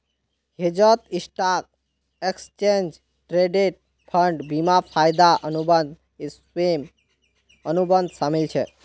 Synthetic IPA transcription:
hed͡ʒət̪isʈak̚ | ekst͡ʃend͡ʒ | ʈɾeɖeʈ̚ | pʰəɳɖbimapʰajd̪aʔənub̪d̪ | s | em | ənubənd̪ʱsamilt͡ʃʰɛ

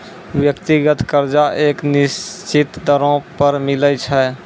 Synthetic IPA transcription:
bjəkt̪iɡət̪kəɾd͡ʒaʔeknist͡ʃit̪d̪əɾõpəɾmilət͡ʃʰɛ

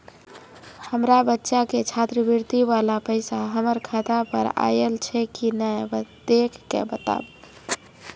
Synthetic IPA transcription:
həmɾabətːʃaket͡ʃʰat̪ɾəbiɾt̪ibalapəɪsaɦəməɾkʰat̪apə̰ɾa̰jelt͡ʃʰɛkinəjbd̪ekʰːḛbət̪a̰b

